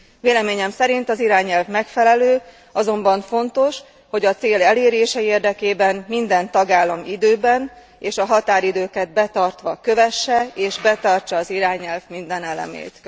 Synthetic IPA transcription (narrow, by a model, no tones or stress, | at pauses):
veːlɛmeːɲɛmsɛɾint̪ɒziɾaːɲɛlvmɛkfɛlɛløː | ɒzo̞mbɒɱfo̞nt̪o̞ʃ | ho̞ɟɒt̪seːlɛleːɾeːʃɛeːrd̪ɛkeːbɛmmind̪ɛnt̪ɒɡaːlːɒmid̪øːbɛn | eːʃɒɦɒt̪aːɾid̪øːkɛd̪̚bɛt̪ɒrt̪ʋɒkø̞vɛʃːɛeːʒbɛt̪ɒrt͡ʃɒːziɾaːɲɛlvmind̪ɛnɛlɛ̰mḛːt̪